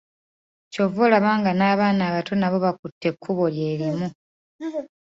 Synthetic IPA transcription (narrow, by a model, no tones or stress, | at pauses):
co̞volaβaːŋɡanaːβaːnaːβatʰo̞naβo̞βakutːe̞kʰːuβolje̞ːɾimu